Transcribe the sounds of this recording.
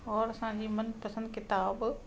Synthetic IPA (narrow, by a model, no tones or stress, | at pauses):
ɔːɾɐsã̆ːd͡ʑiːmɐnpɐsə̃nd̪kɪt̪aːb